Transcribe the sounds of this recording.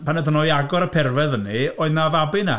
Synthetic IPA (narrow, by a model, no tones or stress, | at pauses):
pʰanəðənɔɨaɡɔɾəpʰɛrvɛðənioːɨðnavabɨna̰